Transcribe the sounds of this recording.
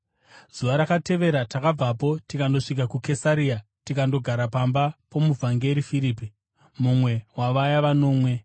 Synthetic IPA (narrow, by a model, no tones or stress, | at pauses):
z̥uʋaɾakate̞ʋe̞ɾatakab͡vapo̞tikando̞ʂik̬akuke̞saɾia | tikando̞ɡʱaɾapambapo̞muvʱaŋɡe̞ɾifiɾiːpi | mumwe̞waʋajaʋano̞ːmwe̞